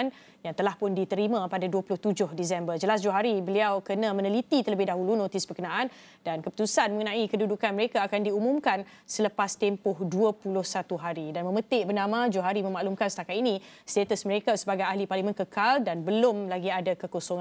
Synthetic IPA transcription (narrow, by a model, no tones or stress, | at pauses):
n | jaŋt̪əlahpʊndit̪əɾimãpadaduəpulʊht̪ud͡ʒʊhdis̬ɛmbərd͡ʒəlasd͡ʒuaɦaɾibəliawkənãmə̃nəlit̪it̪ələbɪhdaɦulunõt̪isbərkənãʔan | dankəput̪usanmə̃ŋənãʔikədudukanməɾekaːkandiumumkan | sələpast̪empʊhduəpulʊhsat̪uɦaɾidanmə̃mə̃t̪ɪʔbərnamãd͡ʒuaɦaɾimə̃maʔlumkansə̥t̪akat̪inĩ | st̪et̪əsməɾekasəbaɡajaɦliparlimə̃nkəkaldanbəlʊmlaɡiadakəkosoŋ